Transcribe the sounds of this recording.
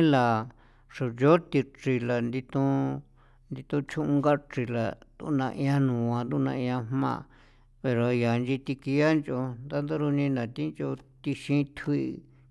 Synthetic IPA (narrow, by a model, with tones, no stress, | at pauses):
la˨ | ʂo˨jo˦t̪i˧t͡ʃi˧la˨nd̪i˧t̪ũ˧ | nd̪i˧t̪ũ˧t͡ʃʰũ˦ʔũ˧ŋɡa˦ʈ͡ʂi˧la˨d̪ṵ˦˧nã̰˧ʔĩ˧ã˧nũː˨ã˧nd̪u˦˧nã˧ĩ˧ã˧mmã̰˦˧˨ | pe˨ɾo˨˧ja˨˧nd͡ʒi˧t̪i˧ki˧a˦nt͡ʃo˧nd̪a˦nd̪a˦ɾu˧nĩ˧nã˨t̪i˦nt͡ʃo˧t̪i˧ʃĩ˧˦t̪ʰi˧